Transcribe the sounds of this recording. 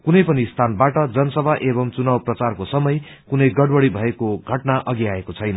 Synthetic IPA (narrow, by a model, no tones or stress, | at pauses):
kunʌjpʌnist̪ʰanbaʈʌd͡zʌnʌsʌbʱaʔebʌmt͡sunawprʌt͡sarkosʌmʌj | kunʌjɡʌɽwʌɽibʱʌekoɡʱʌʈnaʔʌɡiaekot͡sʰʌjnʌ